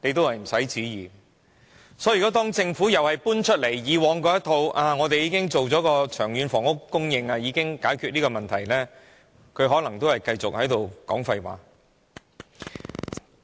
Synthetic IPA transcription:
ne˨˧jt̪̬o˥whɐ˨jm̩˨˩sɐ˨˥jt͡siː˨˥jiː˨ | sɔː˨˥jy˨kɔ˨˥t̪̬ɔː˥ŋt͡sɪ˧ŋfuː˨˥jɐ˨whɐ˨˩jpuː˥nt͡ʃʰɵ˥t̚le˨˩jːiː˨˧wɔː˨˧˥ŋkɔː˧jɐ˥t̪ʰo˧wʔaː˧ŋɔː˨˧t̪e˨jiː˨˧kɪ˥ŋt͡so˨wt͡sɔː˨˥kɔː˧t͡ʃʰœː˨˩ŋjyː˨˧nfɔː˨˩ŋʊ˥kːʊ˥ŋjɪ˧ŋaː˧jiː˨˧kɪ˥ŋkaː˨˥jkʰy˨niː˥kɔː˧mɐ˨nt̪ʰɐ˨˩jlɛː˥ | kʰɵ˨˧ɥɦɔː˨˥lɐ˨˩ŋt̪o˥whɐ˨jkɐ˧jt͡sʊ˨k̚hɐ˨˥jt̪o˨wkɔ̰ː˨˥ŋfɐ˧jwa̰ː˨˧˥

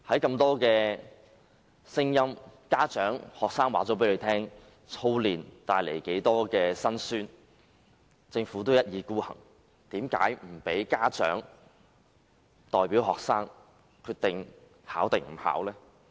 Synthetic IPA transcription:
hɐ˨˥jkɐ˧mt̪ɔː˥kɛː˧ | sɪ˥ŋjɐ˥mkaː˥t͡ʃœː˨˥ŋhɔː˨k̚saː˥ŋwaː˨˥t͡so˨˥p̬e˨˥le˨˧˥t̪ʰɛː˥ŋ | t͡sʰo˥wliː˨nt̪aː˧jlḛ˨˩jke˨˥jt̪ɔː˥kɛː˧sɐ˥nsyː˥n | t͡sɪ˧ŋfuː˨˥t̪̬o˥wjɐ˥t̚jiː˨˧kuː˥hɐ̰˨˩ŋ | t̪iː˨˥mka̰ː˨˥jm̩˨˩pe˨˥jkaː˥t͡ʃœ̰ː˨˥ŋ | t̪ɔː˨jpiː˨˥wɦɔː˨k̚saː˥ŋ | kʰyː˧t̪ɪ˨ŋ | haː˨˥wt̪ɪ˨˩ŋm̩˨˩ha̰ː˨˥wlɛː˥

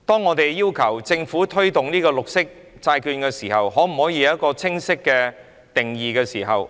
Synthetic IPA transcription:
t̪ɔː˥ŋːɔː˨˧t̪e˨˩jːiː˥wkʰɐ˨˩wt͡sɪ˧ŋfuː˨˥t̪ʰɵ˥ɥt̪ʊ˨ŋniː˥kɔː˧lʊ˨k̚sɪ˥k̚ | t͡saː˧jkyː˧nkɛː˧siː˨˩hɐ˨whɔː˨˥m̩˨˩hɔː˨˥jiː˨˧jɐ˥t̚kɔː˧t͡sʰɪ˥ŋsɪ˥kːɛː˧ | t̪ɪ˨˩ŋjiː˨˩kɛː˧siː˨˩ɦɐ̰˨w

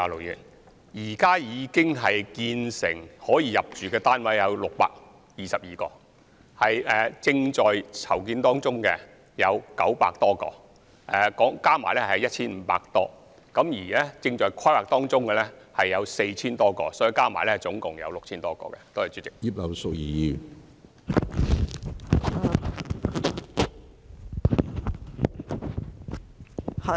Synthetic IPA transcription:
a˨lo˨wji˨˩n | jiː˨˩kaː˥jiː˨˧kɪ˥ŋɦɐ˨jkiː˧nsɪ̰˨˩ŋhɔː˨˥jiː˨˧jɐ˨p̚t͡ʃyː˨kɛː˧t̪aː˥nwɐ˨˥jjɐ˨˧wlʊ˨k̚pa̰ː˧k̚ | jiː˨sɐ˨p̚jiː˨kɔː˧ | hɐ˨jɛː˨t͡sɪ˧ŋt͡ʃɔː˨jt͡sʰɐ˨˩wk̬iː˧nt̪ɔː˥ŋt͡sʊ˥ŋkɛ˧ | jɐ˨˧wkɐ˨˥wpa̰ː˧k̚t̪ɔː˥kɔ̰ː˧ | ʔɛ˨kɔː˨˥ŋkaː˥ma̰ː˨˩jlɛː˥hjɐ˥t̚t͡ʃʰiː˥nm̩˨˦pa̰ː˧k̚t̪ɔː˥ | kɐ˨˥mjiː˨˩lɛ˥t͡sɪ˧ŋt͡ʃɔː˨˧jkʰa˥waː˨k̚t̪ɔː˥ŋt͡sʊ˥ŋkɛ˨˧lɛ˥hɐ˨jːɐ˨˧wse˧jt͡sʰiː˥nt̪ɔː˥kɔ̰ː˧sɔː˨˥ji˨˧kaː˥maː˨˩jlɛ˥˨jt͡sʊ˨˥ŋkʊ˨ŋjɐ̰˨˧wlʊ˨k̚t͡ɕʰiː˥nt̪ɔː˥kɔ̰ː˧kɛ̰˧t̪o˥whɐ˨jt͡syː˨˥t͡sɪ˨˩k̚ji˥p̚lɐ˨˧wsʊ˨k̚jiː˨˩ji˨˧

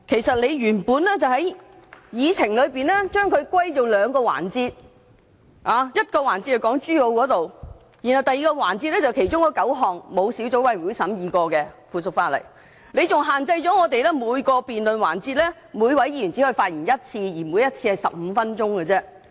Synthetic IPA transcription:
kʰe˨˩jsɐ˨t̚le˨˧jɥyː˨˩npuː˨˧nlɛː˥t͡sɐ˨whɐ˨˥j | jiː˨˧t͡sʰɪ˨˩ŋlɵ˨˧˥ɥpiː˨˧nlɛː˥t͡ʃœː˥ŋkʰɵ˨˧ɥkʷwa˥jt͡so˨wlœː˨˧ŋkɔː˧wa̰ː˨˩nt͡siː˧t̚ | ʔaː˨˧jɐ˥t̚kɔː˧waː˨˩nt͡si˧thɐ˨wkɔː˨˥ŋt͡ʃyː˥jo˨˧wkɔː˨˥t̪o˨w | ji˨˩nhɐ˨˩wt̪ɐ˨jiː˨˩kɔː˧wa̰ː˨˩nt͡si˧t̚lɛ˥t͡sɐ˨wkʰe˨˩jt͡ʃʊ˥ŋkɔ˨˧˥kɐ˨˥wɦɔː˨˩ŋmo˨˧wsiː˨˥wt͡so˨˥wɐ˨˥ju˨˥jsɐ˨˥mjiː˨kɔː˧kɛ˧fuː˨˩sʊ˨k̚faː˧tlɐ̰˨˩j | ne˨˧jt͡sʊ˨ŋɦaː˨˩nt͡sɐ˧jt͡sɔː˨˥ŋɔː˨˧t̪e˨jlɛ˥muː˨˧jkɔː˧piː˨nlɵ˨nwa̰ː˨˩nt͡siː˧t̚lɛː˥ | muː˨˧jwɐ˨˥jjy˨˩nt͡siː˨˥hɵ˧faː˧t̚jiː˨˩njɐ˥t̚t͡sʰiː˧jiː˨˩mu˨˧jɐ˥t̚t͡sʰiː˧hɐ˨˩jsɐ̰˨p̚m̩ː˨˧fɐ˥nt͡ʃʊ˥ŋkɛ˧t͡sɛː˥

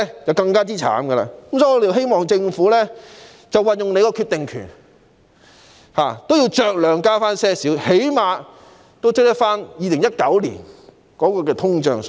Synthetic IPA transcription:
jɐ˨wkɐ˧ŋkaː˥t͡siː˥t͡sʰa̰ː˨˥mɡə˧la̰ː˧˥ko˨˥msɔː˨˥ŋːɔː˧e˨jwɦe˥jmɔː˨ŋt͡sɪ˧ŋfuː˨˥lɛː˥ | t͡sɐ˨wɐ˨njʊ˨ŋne˧kɔː˧kʰy˧t̪ɪ˨ŋkʰy̰ː˨˩n | ha̰ː˨t̪o˥wjiː˧wt͡ʃœː˨˧k̚lœː˨˧ŋkaː˥faː˥nsɛː˥siː˨˥whe˨˥jmaː˨˧ | t̪o˥wt͡s̚t̪ɐ˥faː˥njiː˨˩lɪ˨˩ŋjɐ˥t̚kɐ˨˥wlḭː˨˩n | kɔː˨˥kɔː˧kɛː˧t̪ʰʊ˥ŋt͡ʃœ̰ː˨ŋs

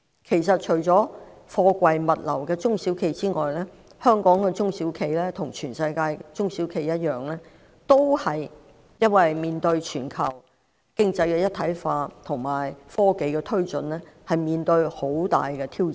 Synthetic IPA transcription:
kʰe˨˩jsɐ˨t̚t͡ʃʰɵ˨˩ɥt͡sɔː˨˥ | fɔː˧kʷɐ˨jmɐ˨t̚lɐ˨˩wkɛː˧t͡sʊ˥ŋsiː˨˥wkʰe˧jt͡siː˥ŋɔː˨jlɛː˥ | hœː˥ŋkɔː˨˥ŋkɛː˧t͡sʊ˥ŋsiː˨˥wkʰe˧jlɛː˥t̪ʰʊ˨˩ŋt͡ʃʰyː˨˩nsɐ˧jkaː˧jt͡sʊ˥ŋsi˨˥wkʰe˧jɐ˥t̚jœː˨˩ŋlɛː˥ | t̪o˥whɐ˨j | jɐ˥nwɐ˨jmiː˨nt̪ɵ˧ɥt͡ʃʰyː˨˩nkʰɐ̰˨˩w | kɪ˥ŋt͡sɐ˧jkɛː˧jɐ˥t̪ʰɐ˨˥jfaː˧t̪ʰʊ˨˩ŋmaː˨˩jfɔː˥ke˨jkɛː˧t̪ʰɵ˥ɥt͡sɵ˨nlɛː˥ | hɐ˨jmiː˨nt̪ɵ˧ɥho˨˥wt̪a̰ː˨jkɛː˧t̪ʰiː˥w

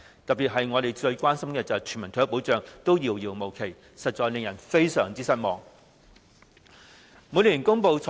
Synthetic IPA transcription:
t̪ɐ˨p̚pi˨t̚ɦɐ˨jŋɔː˨˧t̪e˨jt͡sɵ˧ɥkʷaː˥nsɐ˥mkɛː˧t͡sɐ˨˩wt͡ʃʰy˨˩nmɐ˨˩t̪ʰːpo˨˥wt͡ʃœː˨ŋt̪o˥wjiː˨˩wjiː˨˩wmo˨˩wkʰe˨˩j | sɐ˨t̚t͡ʃɔː˨jlɪ˨ŋjɐ˨˩nfe˥jsœː˨˩ŋt͡siː˥sɐ˥t̚mɔː˨ŋ | mu˨˥jliː˨˩nkʊ˥ŋpo˧wt͡sʰɔ˨

